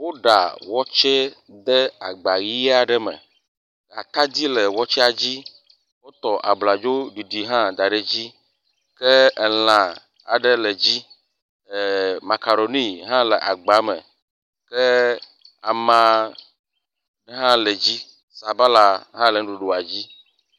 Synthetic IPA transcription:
wo˦ɖa̰˨wɔ˦t͡ʃe˦ | d̪ɛ˦a˨ɡ͡ba˨ɣi˦a˨ɖɛ˦mɛ̰̃˨ | a̰˨t̪a˦d̪i˦le˨wɔ˦t͡ʃɛ˦a˨d͡ʑi˦ | wo˦t̪ɔ˨ʔa̰˨bla˨d͡ʒo˦ɖi˨ɖi˨ɦã˦d̪a˨ɖe˨d͡ʑi˦ | ke˦ɛ˨l̃ã˨ | a̰˨ɖe˦le˨d͡ʑi˦˨ | ma˨ka˨ɾo˨nĩ˦ɦã˦le˨ʔa̰˨ɡ͡ba˨˦mə̰̃˨ | kɛ˦ | a̰˨mã˦ | n˦ɦã˦le˨d͡ʑi˦ | sa˨ba˦la˨ɦã˦le˨˦ɖu˨ɖo˨a˨d͡ʑi˦

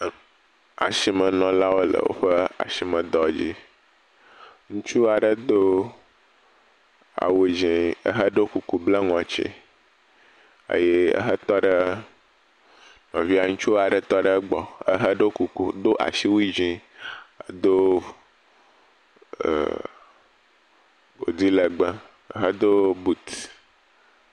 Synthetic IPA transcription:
a̰˨ʃi˨mə̃˨nɔ̃˨la˦wo˦lə̰˨wo̰˦ɸə˦a̰˨si˨mə̃˨d̪ɔ˨d͡ʑi˦ | ŋũ˦t͡ʃu˦a˨ɖə˦d̪o˦ | a̰˨we˨d͡ʒĩ˨ə˦ɦə˦ɖo˦ku˨ku˨blə˦ŋɔ̃˨t͡ʃḭ˦ | ə̰˦je˦ə̰˦ɦə˦t̪ɔ˦ɖə˦ | ŋɔ̃˨vi˦a˨ŋũ˦t͡ʃu˦a˨ɖə˦t̪ɔ˦ɖe˦ɡ͡bɔ˨ə˦ɦə˦ɖo˦ku˨ku˨d̪o˦ʔa̰˨ʃi˦wi˦d͡ʒĩ˦˨ | d̪o˦˨ | o̰˨d̪i˦le˨ɡ͡bə˦ | ə̰˦ɦə˦d̪o˦bu˨t̪

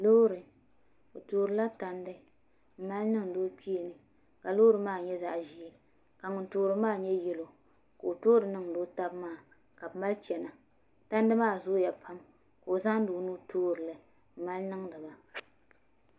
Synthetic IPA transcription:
lo˦ɾɨ˨ | o˨toː˨ɾɨ˨˦la˦ta˦ndɨ˦ | m̩˨ma˦lnɨ˦ŋ˨doː˦pi˦e˨nɨ˨ | ka˨loː˦ɾɨ˦maː˦˨ɲɛ˦za˨ʔʒi˦˨ | ka˨ŋʊ˨n˦toː˦ɾɨ˦maː˦˨ɲɛ˦jɛ˦lo˨ | ka˨o˨toː˦ɾɨ˨nɨ˦ŋdoː˦ta˦bmaː˦˨ | ka˨bma˦lt͡ʃɛ˨na˨ | ta˦ndɨ˦maː˦˨zo˦ja˨pʰa˦m | ka˨o˨za˦ŋ˦doː˨˦nu˦tʰoː˦ɾɨ˨lɨ˨ | m̩˦ma˦lnɨ˦ŋdɨ˨ba˨

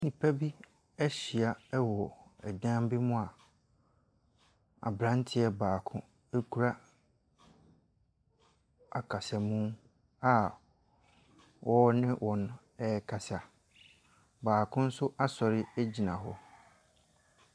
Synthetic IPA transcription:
nĩ˨pʰa˦bi˦ | ɛ˦ɕi˨a˨ɛ˦wɔ˨ɛ̰˨dã˦m˦bɪ˦mʊ̃˦a˨ | a̰˨bɾã˦n˦tʰɪ˦ɛ˦baː˨kʰʊ̃˦ | e˦kʰu˨ɾa˦ | a̰˨kʰa˨sa˨mũ˦ | a˦ | wʔɔ˦nɪ̃˦wʔɔ̃˨n˦ | ɛ˦kʰa˨sa˨ | baː˨kʰʊ̃˦n̩˦sʊ˦ʔa˦sɔ˨ɾɪ˦æ˦d͡ʑi˨nã˨ɦɔ˦

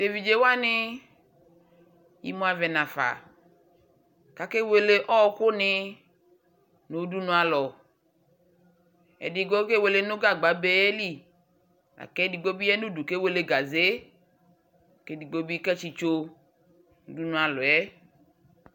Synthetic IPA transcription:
d̥e˨vi˨d͡ʒe˨wa˦nɪ˦ | jḭ˦mõ˦a˨vɛ˨nã˨fa̰˨ | ka˨ke˦we˨le˦ʔɔ˦kʊ˦nɪ˦˧ | no˨˦du˦nũ˦a˨lɔ˨ | ɛ̰˨di˨ɡo˦ke˦we˨le˨no˦ɡa˦ɡ͡ba˨˦be˦ɛ˦li˦ | a̰˨kɛ˦di˨ɡ͡bo˦bi˦ɛ˦nu˦du˨ke˦we˨le˨ɡa˨ze˨˦˨ | ke˦di˨ɡ͡bo˦bi˦kɛ˦t͡ʃi˧t͡ʃo˦ | u˨˦du˦nũ˨˦a˨lɔ˨ɛ˦

